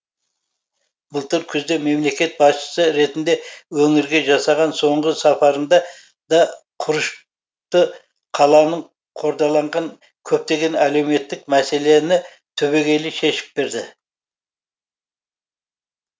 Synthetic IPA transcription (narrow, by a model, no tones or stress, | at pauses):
b̥əlˠt̪əɾkʲʰʏzd̪e̞me̞mle̞kʲe̞t̪̚bɑsʃə̥səɾe̞t̪ɪnd̪e̞wɵŋɪɾɡʲe̞ʒɑsɑʁɑnso̞ɴʁəsɑpɑɾənd̪ɑ | d̪ɑ | qʰʊɾəʃ | t̪ə | qʰɑlˠɑnəɴ | qʰo̞ɾd̪ɑlˠɑɴʁɑŋ | kʲʰɵp̚t̪e̞ɡʲe̞næle̞wme̞t̪ːɪkmæse̞le̞nɪ | t̪ʰɵβe̞ɡʲe̞lɪʃe̞ʃɪ̥p̚be̞ɾd̪ɪ